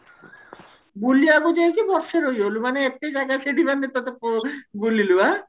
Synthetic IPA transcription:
buliaɡod͡ʑaekibɔɾʃeɾojɦolumaneɛk̚ʈejd͡ʑakaʃeɖibanːet̪ot̪epoɡulilua

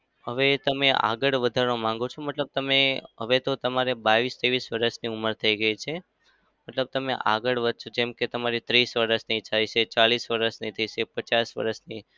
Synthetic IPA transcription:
ɦəʋet̪əmea̰ɡəɭʋəd̪ʱaɾõmãŋɡot͡ʃʰoməʈləb̚t̪əmeɦəʋet̪ot̪əmaɾebaʋist̪eʋisʋəɾəʃniuməɾt̪ʰəiɡəit͡ʃʰe | məʈləb̚t̪əmeʔa̰ɡəɭʋəd̪̚ʱt͡ʃʰod͡ʒɛmket̪əmaɾit̪ɾisʋəɾəʃnit͡ʃʰait͡ʃʰet͡ʃalisʋəɾəʃnəĩt̪ʰəit͡ʃepət͡ʃasʋə̰ɾəʃni

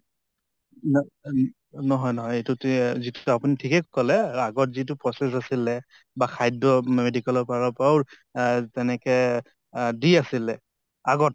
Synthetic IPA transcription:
n | nɔɦɔjnɔɦɔjetʊtzitʊapunitʰikɛkkɔlɛaɡɔtzit̬ʊpɹɔsɛsasilɛ | baxʰajdɔmedikɛlɔɹpaɹɔpawɹ | tɛnɛkɛ | diasilɛ | aɡɔt̚

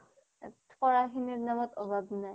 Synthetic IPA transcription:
pɔɹaxiniɹnamɔtɔbʱabnaj

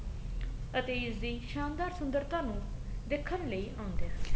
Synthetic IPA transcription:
ət̪eːɪsd̪iːʃaːnd̪aːɾsʊnd̪əɾt̪ãːnũːd̪ɪkʰːənləiːʔãːnd̪eː

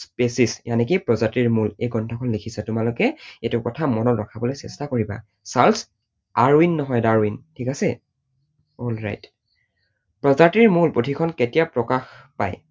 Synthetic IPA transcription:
spesisjanɛkipɹɔzatiɹmulejɡɔntʰɔkʰɔnlikʰisɛtʊmalʊkɛetʊkɔtʰamɔnɔtɹɔkʰabɔlɔjsɛstakoɹiba̰ | sals | aɹwinːɔɦɔjdaɹwintʰikasɛ | ɔlɹa̰jt | pɹɔzatiɹmulpotʰikʰɔnketijapɹɔkaxpa̰j

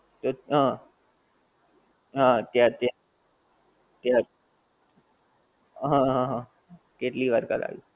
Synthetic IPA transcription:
t̪oɦã | ɦãt̪jat̪ja | t̪ja | ɦãɦãɦ | keʈ̪liːʋəɾka̰t̪a̰ʋḭ

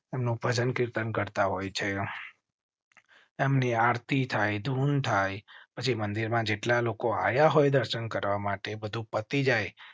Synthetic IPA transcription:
emnũbʱəd͡ʒənkiɾt̪ənkəɾt̪aɦojt͡ʃʰe | emniaɾt̪it̪ʰajd̪ʱunt̪ʰajpət͡ʃʰimənd̪iɾmãd͡ʒeʈlalokoa̰jaɦojd̪əɾʃənkəɾʋamaʈebəd̪ʱũpət̪id͡ʒaj

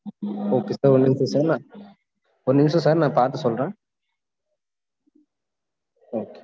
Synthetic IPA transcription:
oːkeːsaːɾɔnːɪmsɔ̃saːɾnãː | ɔnɪmsɔ̃saːɾnãːpaːɾt̪ɯsɔlɾẽː | oːke

